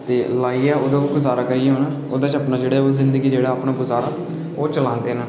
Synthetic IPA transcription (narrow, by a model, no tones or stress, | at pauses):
t̪eːlaːiːɛːoːd̪aːɡʊzaːɾaːkəiːɦoːnaː | o̰ːd̪ãːt͡ʃəpnaːd͡ʒeːɽeːoːzɪ̃nd̪əɡiːd͡ʒeːɽaːaːpnaːɡʊzaːɾaː | oːt͡ʃəlãːnd̪eːnaː